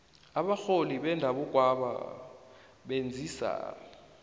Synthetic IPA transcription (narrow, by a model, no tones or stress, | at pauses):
aɓaxoliɓɛndʱaɓuɡ̥ʱwaɓa̰ | ɓend͡zʱisa̰